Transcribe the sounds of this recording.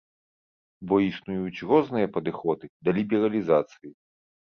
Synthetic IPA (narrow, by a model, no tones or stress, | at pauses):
bɔisnujut͡sʲrɔznɨjɐpɐd̪ɨxɔd̪ɨd̪ɐlʲibʲɛɾɐlʲizat̪sɨji